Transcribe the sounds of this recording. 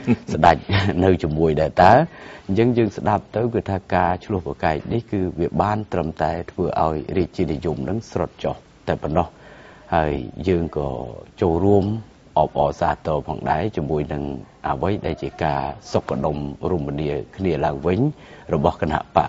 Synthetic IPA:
sɗac̚nɨwt͡ɕumuəjɗaɛlt̪aɛɲt͡ɕəŋjəːŋsɗap̚t̪ɨwkɨːt̪ʰaːkaːt͡ɕʰlʊ̆əhpakaɛk̚nihkɨːʋiəɓaːnt̪rəmt̪aɛt̪ʰʋəːʔa̰ɔjriəc̚t͡ɕiənijumnɨŋsrot̪̚t͡ɕoh | t̪aɛpɔnːɑh | haəjjəːŋkɑ̰ːt͡ɕoːlruəm | ʔɑːp̚ʔɑːsaːt̪ɔːpʰɑ̰ːŋɗa̰ɛt͡ɕiəmːuəjnɨŋʔəʋəjɗaɛlt͡ɕiəkaːsokːaɗomruəminiəkʰniəlaəŋʋɨɲrɔɓɑhkana̰ʔpa̰ʔ

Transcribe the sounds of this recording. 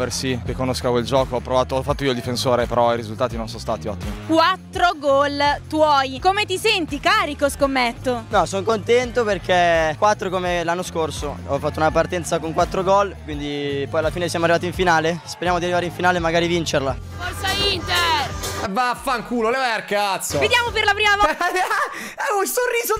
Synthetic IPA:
ersikekːonoskakweld͡ʒɔːkoɔpːɾovaːt̪oɔfat̪ːoioild̪ifensoːɾepeɾɔiɾizult̪aːt̪inonsonst̪a̰ːt̪iɔt̪ːimikwat̪ːɾoɡɔlt̪wɔjkomet̪isɛnt̪ikaːɾikoskomːɛt̪ːonɔsoŋkont̪ɛnt̪operk̟ʰekwat̪ːɾokomelanːoskorsoɔfat̪ːounapart̪ɛnt̪sakoŋkwat̪ːɾoɡɔlkwind̪ipɔjalːafiːnesjaːmoarːivaːt̪iɱfinaːlespeɾjaːmod̪iarːivaɾeiɱfinaːlemːaɡaːɾivint͡ʃerla | fɔrsaint̪ɛvafaŋkuːlolevajarkat̪soved̪jaːmoperlapɾiːmavɔ | ɛunsorːiːzo

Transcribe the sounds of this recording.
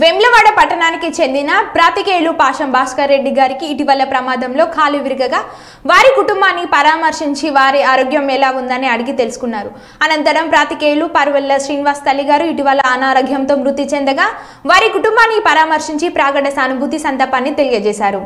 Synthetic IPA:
ʋemlɐʋaːɽɐpɐʈːɐɳaːnikit͡ʃe̞nd̪inɐpɾaːt̪ikeːlupaːʂɐmbʱaːʂkɐɾːe̞ɖːiɡaːɾikiːʈiʋɐlːɐpɾɐmaːd̪ʱɐmlo̞ːkʰaːluʋiɾiɡɐɡaː | ʋaːɾikuʈumbaːnːipɐɾaːmɐɾʂiɲt͡ʃiʋaːɾiaːɾoːɡjɐmɛːlaːund̪ɐniɐɽiɡit̪e̞lusu̥kunːaːɾu | ɐnɐnt̪ɐɾɐmpɾaːt̪ikeːjlupɐɾuʋɐlːɐsɾiːnʋaːst̪ɐlːiɡaːɾuiʈiʋɐlːɐːnaːɾoɡʱjɐmt̪oːmɾut̪ːit͡ʃɛnd̪ɐɡaː | ʋaːɾikuʈumbaːnːipɐɾaːmɐɾʂiɲt͡ʃipɾaːɡɐɽɐsɐnubʱut̪isɐnd̪ɐɾpaːnːit̪e̞lijɐd͡ʒɛːsaːɾu

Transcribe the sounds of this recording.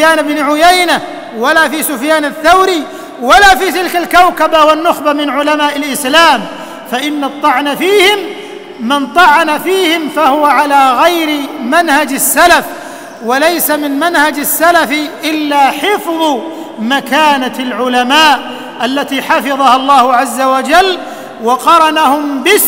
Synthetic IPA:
jaːnɪbnʕʊjajna | walaːfiːsʊfjaːnaθːawɾiː | walaːfiːt̪ɪlkalkawkabawanːʊxbamɪnʕʊlamaːʔɪlʔɪslaːm | faʔɪnːɑt̪ˤːɑʕnafiːhɪmː | ɪnt̪ˤɑʕanafiːhɪmfahʊwaʕalaːɣajɾɪmanhad͡ʒasːalaf | walajsamɪnmanhad͡ʒasːalafʔɪlːaːħɪfðˤ | makaːnaalʕʊlamaːʔ | ʔalːat̪iːħɑfɪðˤɑhɑlˤːɑːhʊʕazːawad͡ʒalː | wɑqɑɾˤɑnahʊmbɪs

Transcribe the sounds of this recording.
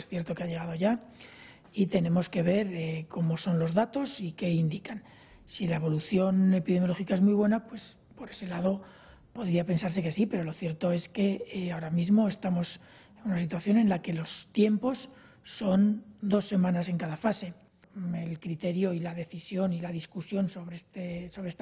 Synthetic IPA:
sθje̞ɾt̪o̞keaʝe̞ɣ̞aðo̞ʝa | it̪e̞nẽ̞mo̞ske̞β̞e̞ɾeko̞mo̞so̞nlo̞zðat̪o̞sike̞ind̪ikan | silae̞βo̞luθjo̞ne̞piðemjo̞lo̞xikaemujβ̞we̞napwe̞s | po̞ɾe̞se̞lað̞o̞ | po̞ðɾiape̞nsaɾse̞ke̞sipe̞ɾo̞lo̞θje̞ɾt̪o̞e̞ske̞ao̞ɾamizmo̞e̞st̪amo̞s | e̞nunasit̪waθjo̞ne̞nlake̞lo̞st̪je̞mpo̞sː | o̞nd̪o̞sːe̞mãnase̞ŋkaðafase̞ | elkɾit̪e̞ɾjo̞ilaðe̞θisjo̞nilað̞iskusjo̞nso̞βɾet̪eso̞βɾeest̪

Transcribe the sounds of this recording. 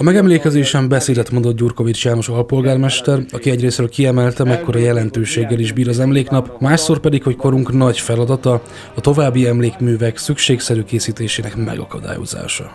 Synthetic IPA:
ɒmɛɡɛmleːkɛzeːʃɛmbɛseːd̪ɛt̪mo̞nd̪o̞t̪ɟuːrko̞vit͡ʃjaːno̞ʃɒlpo̞lɡaːrmɛʃt̪ɛrɒkiɛɟreːsɾøːlkiɛmɛlt̪ɛmɛkːo̞ɾɒjɛlɛnt̪øːʃeːɡːɛliʒbiːɾɒzɛmleːknɒpmaːʃso̞rpɛd̪ikho̞cko̞ɾuŋknɒɟfɛlɒd̪ɒt̪ɒ | ɒt̪o̞vaːbːiɛmleːkmyːvɛksykʃeːksɛɾyːkeːsiːt̪eːʃeːnɛkmɛ̰ɡɒ̰kɒ̰d̪a̰ːjo̰za̰ːʃɒ̰

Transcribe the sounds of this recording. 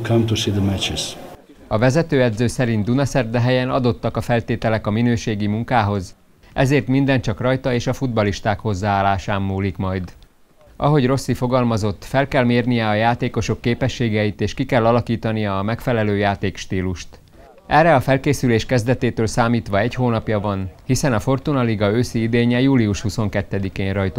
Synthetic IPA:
kʰãmt̪usid̪əmɛt͡ʃɪs | ɒvɛzɛt̪øːɛd̪zøːsɛɾint̪d̪unɒsɛrd̪ɛɦɛjɛnɒ̰d̪o̞t̪ːɒkɒfɛlt̪eːt̪ɛlɛkɒminøːʃeːɡimuŋkaːɦo̞z | ʔɛzeːrt̪mind̪ɛnt͡ʃɒkrɒjt̪ɒeːʃɒfud̪̚bɒliʃt̪aːkho̞zːaːaːlːaːʃaːmːuːlikmɒjd̪ | ʔɒ̰ɦo̞ɟro̞sːifo̞ɡɒlmɒzo̞t̪ːfɛlkɛlmeːrnijɛɒjaːt̪eːko̞ʃo̞kːeːpɛʃːeːɡɛjit̪eːʃkikɛlːɒlɒkiːt̪ɒnijɒːmɛkfɛlɛløːjaːt̪eːkʃt̪iːluʃt̪ | ʔɛrːɛɒfɛlkeːsyleːʃkɛzd̪ɛt̪eːt̪øːlsaːmiːt̪ʋɒɛchoːnɒpjɒvɒnhisɛnɒfo̞rt̪unɒliɡɒøːsiid̪eːɲɛjuːliuʃhuso̞ŋkɛt̪ːɛd̪ikeːnrɒjt̪

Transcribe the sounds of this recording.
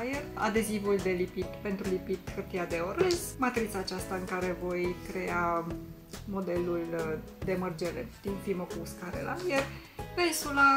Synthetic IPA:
jera̰d̪e̞zivuld̪e̞lipit̪pe̞nt̪ɾulipit̪kɨrt̪ijad̪e̞oɾesmat̪ɾit̪saːt͡ʃast̪aɨŋkaɾe̞vo̞jkɾe̞a | mo̞d̪e̞lul | d̪e̞mərd͡ʒeɾḛd̪̥imfiməkuːskaɾḛla̰jer | vesula

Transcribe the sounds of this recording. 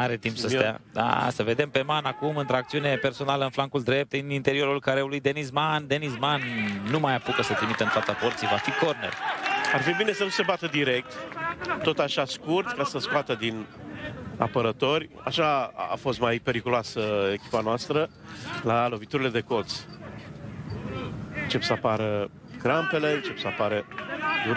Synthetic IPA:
aɾe̞t̪impssəstea̰d̪a̰səve̞d̪e̞mpe̞manakumɨnt̪ɾoak̚t̪siune̞pe̞rso̞naləɨnflaŋkuld̪ɾe̞p̚t̪ɨnint̪e̞ɾio̞ɾulkaɾeulujd̪e̞nismand̪e̞nismanːumajapukəsət̪ɾimit̪əɨnfat̪sapo̞rt̪sijvafiko̞rne̞̰rarfibine̞sənuse̞bat̪əd̪iɾe̞k̚t̪t̪o̞t̪aʃaskurt̪kasəskoat̪əd̪in | a̰pəɾət̪o̞rʲa̰ʃaa̰fo̞st̪majpe̞ɾikuloasəekʲi̥panoast̪ɾə | lalo̞vit̪uɾile̞d̪e̞ko̞t̪s | ɨnt͡ʃe̞psəapaɾə | ɡɾampe̞le̞nt͡ʃe̞psəapaɾed̪uɾ

